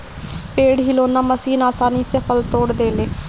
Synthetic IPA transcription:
peːɽɦiloːnaːməsiːnaːsaːniːsəpʰəlt̪oːɽd̪eːleː

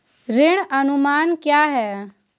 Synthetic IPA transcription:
ɾɪɽ̃ənʊmaːnkjaːɦɛː

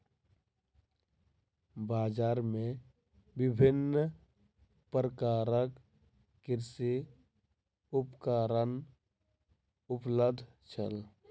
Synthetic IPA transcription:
baːd͡ʒaːɾmẽ | bɪbʱɪn | pɾəkaːɾəkː | ɪɾsi | ʊpkaːɾən | ʊpləd̪ʱ | t͡ʃʰə̰l

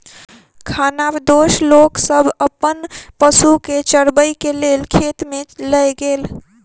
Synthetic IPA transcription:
kʰanabd̪oʃloksəbʱəpːənpəsuket͡ʃəɾbəjkelelkʰet̪meləjɡel

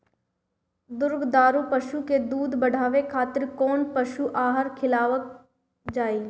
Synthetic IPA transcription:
d̪ʊɾɡd̪aːɾupəʃuked̪uːd̪bɐɽ̤ʱaːʋekʰaːt̪ɪɾkɔːnpɐʃuʔaːɦəɾkʰɪlaːʋək̚ | d͡ʒaːiː

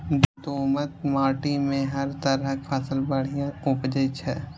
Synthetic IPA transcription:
b̪t̪oːmət̪̚maːʈimẽɦɐɾt̪əɾəkʰəsəlbəɽ̤ijãʊpd͡ʒəjt͡ʃʰɛː

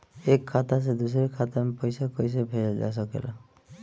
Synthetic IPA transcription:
ekʰːat̪as̬ed̪us̬ɔɾikʰat̪ampɔjsakɔjs̬abʱejad͡ʒa̰s̬ɔkḛla

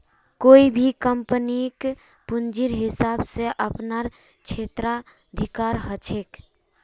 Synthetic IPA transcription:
koibʱikəmpənik | pund͡ʒiɾɦisabseʔəpnaɾ | t͡ʃʰet̪ɾa | əd̪ʱikaɾɦət͡ʃʰek

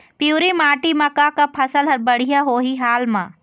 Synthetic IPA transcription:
pjuːɾimaːʈimɐkakapʰɐsəlɦɐɾbɐɽ̤ijaɦoːɦiɦaːlmãː

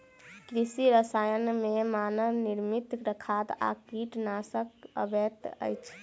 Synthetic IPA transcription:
kɾisiɾəsajənmemanəniɾmit̪ɾəkʰat̪a̰kiʈnasəkə̰bet̪ə̰jt͡ʃʰ

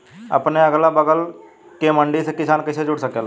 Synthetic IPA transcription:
ə̰pneəɡlabəɡəl | kemə̃ɳɖisekɪsaːnkɪsʰed͡ʒʊɽsəkeal

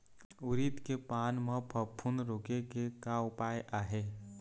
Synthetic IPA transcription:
ʊɾit̪kepaːnmãpʰəpʰːunɾoːkekekaʊpaːjʔaːɦeː

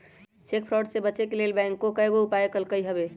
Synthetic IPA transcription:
t͡ʃek̚pʰɾɔɖsebətːt͡ʃekelelbɛ̃ŋkːokəeɡoupaekəlkəjɦəbe

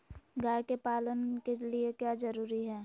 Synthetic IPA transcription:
ɡaːekepaːlənkeliekjad͡ʒəɾuːɾiɦɛː

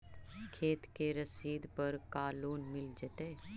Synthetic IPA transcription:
kʰeːt̪keɾɐsiːd̪pɐɾkaːluːnmɪld͡ʒt̪eː

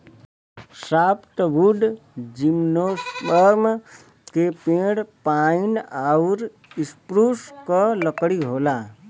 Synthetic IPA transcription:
saːpt̪buɖ̪d͡ʒimnosbəɾm | kepẽɽpainauɾ | ispɾuskələkɽiɦoːla

